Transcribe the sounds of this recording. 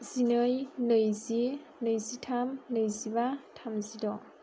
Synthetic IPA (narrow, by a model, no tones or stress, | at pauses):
z̥inɯjnɯjzi | nɯjzitʰamnɯjzibatʰamzidɔ